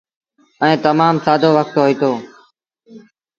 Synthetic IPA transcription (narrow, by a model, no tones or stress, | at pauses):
əẽːt̪əmaːmsaːd̪ʱoːʋək̚t̪ɦoːiːt̪oː